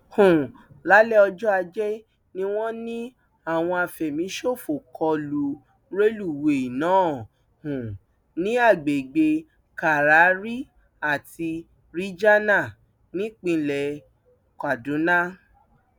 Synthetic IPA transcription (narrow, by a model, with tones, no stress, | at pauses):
hũ˨ | la˨˦lɛ˦ɔ˧d͡ʒɔ˦a˧d͡ʒɛ˦ | nĩ˦w̃ɔ̃˦nĩ˦ | a˦˨w̃ɔ̃˧a˧˨fɛ˨mĩ˨˦ʃo˦˨fo˨kʰɔ˧lu˨˦ | ɾe˦lu˦˨we˨i˨nãː˨˦˨ | hũ˨ | nĩ˦a˦˨ɡ͡be˨ɡ͡be˧ | ka˨ɾa˨˦ɾi˦ | a˨ti˧ | ɾi˦d͡ʒa˦nã˦˨ | nĩ˨˦k͡pĩ˧lɛ˨ | ka˨dũ˨˦nã˦